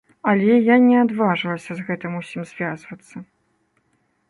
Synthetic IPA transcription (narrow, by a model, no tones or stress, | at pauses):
ɐlʲɛjanʲɛad̪vaʐɨlˠɐsʲɐzɣɛt̪ɨmusʲimz̥vʲazvɐt̪sːɐ